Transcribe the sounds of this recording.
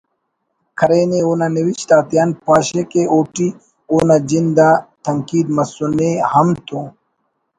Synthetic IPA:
kʰɐɾeːneuːnaniwit͡ʃt̪aːt̪ijaːnpaːɕekeoːʈi | uːnad͡ʑind̪at̪ɐŋkiːd̪mɐsunehɐmt̪ʰu

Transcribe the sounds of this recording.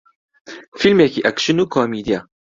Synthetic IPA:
filmekiʔækʃənukomid̪ija

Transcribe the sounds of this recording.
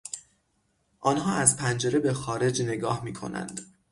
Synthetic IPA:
ʔɒːnɦɒːæzpʰænd͡ʒe̞ɾe̞be̞xɒːɾe̞d͡ʒne̞ɡɒːhmiːkʰo̞̰næ̰nd̪̥

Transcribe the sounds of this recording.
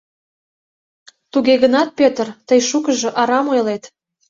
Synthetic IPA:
t̪uɣeɣənɑt̪̚pʲøt̪ərt̪əjʃukəʒɤ̆ʔɑɾɑmojlet̪

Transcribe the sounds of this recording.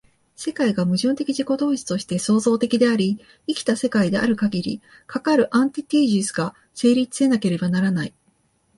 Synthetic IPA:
se̞kaiɡamɯ̟ʑɨ̃nt̪e̞kʲiʑiko̞t̪o̞ːɕi̥t̪o̞ɕi̥t̪e̞so̞ːzo̞ːt̪e̞kʲid̪e̞aɾʲi | ikʲi̥t̪ase̞kaid̪e̞ʔa̰ɾɯ̟kaɡʲiɾʲḭ | kakaɾɯ̟ʔãnt̪ʲit̪ʲiːʑisɨ̥ɡa | se̞ːɾʲit͡sɨ̥se̞nake̞ɾe̞banaɾanai

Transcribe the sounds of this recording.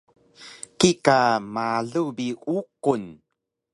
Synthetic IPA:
kikamaɮubiuqun

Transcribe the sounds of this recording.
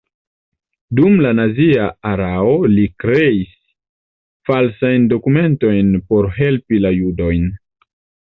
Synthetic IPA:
dumlanaziaaɾaolikɾe̞is | falsajndo̞kume̞nto̞jnpo̞ɾɦe̞lpilajudo̞jn

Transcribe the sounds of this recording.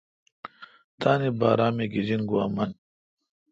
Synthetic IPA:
t̪aːnibaːɾaːmeɡizinɡuaːmɐn

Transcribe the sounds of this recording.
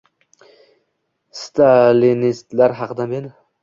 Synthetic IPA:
st̪ʰalinist̪laɾɦɑqd̪amen

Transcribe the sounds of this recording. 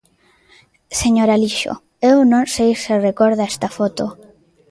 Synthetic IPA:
seɲoɾaliʃo̰ | ewnõnsejserekoɾðaɛst̪afot̪o

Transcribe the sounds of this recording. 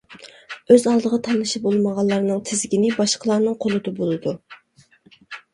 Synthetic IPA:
øzɑlˠd̪əʁɑt̪ʰɑnɨʃibolˠməʁɑlˠːɑɾnɨŋt̪ʰɪzɡʲinɪbɑʃqʰəlˠɑɾnɨŋqʰolˠɨd̪ɑbolˠɨd̪u

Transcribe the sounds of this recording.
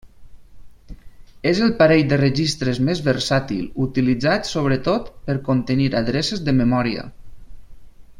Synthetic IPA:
ezəlˠpaɾeʎd̪ərəʒist̪ɾəzmezβəɾsat̪ḭlˠut̪ilid͡zat̪soβ̞ɾət̪ot̪pəɾkont̪əniɾaðɾɛsezðəməmɔɾiə̰

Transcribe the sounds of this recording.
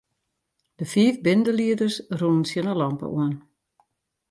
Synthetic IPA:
d̥əfiəfbɪndəliədərsrunənsjənəlɑmpə̰ʔuən

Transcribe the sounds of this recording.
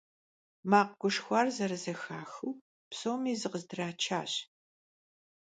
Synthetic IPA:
maːqɡʷʊʂxʷaːrzɐɾɨzɐxaːxɨː | psowmiːzɨqəzdɨraːt͡ʃʰaːɕ

